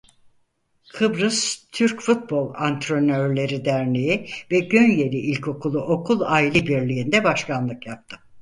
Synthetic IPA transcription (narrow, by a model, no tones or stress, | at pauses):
kʰɯbɾɯst̪ʰyɾcfut̪̚bo̞lˠant̪ʰɾønøɾlʲe̞ɾid̪æɾnʲejivɛɟønje̞lʲiʔilʲcʰo̞kʰulˠuʔo̞kʰulˠaːilʲɛbiɾlʲijind̪ɛbaʃkʰanlˠɯkjap̚t̪ʰɯ̥